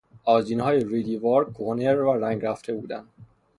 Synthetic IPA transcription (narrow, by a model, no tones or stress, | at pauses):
ɒːziːnhɒːjeɾid̪ivɒːɾkʰohoneɾæɾæŋɡɾæft̪ʰe̞buːd̪ænd̪̥